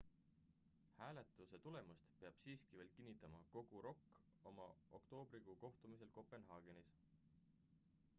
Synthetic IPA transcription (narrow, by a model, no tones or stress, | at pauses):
hæːle̞t̪ˑuset̪ule̞must̪pe̞ɑb̥siːskive̞ːlkinʲːit̪ˑːɑmɑko̞ɡ̥uɾo̞kː | o̞mɑ̰o̞kt̪o̞ːbɾiɡ̥uko̞ht̪umise̞lko̞pˑe̞nɦɑːɡ̥enis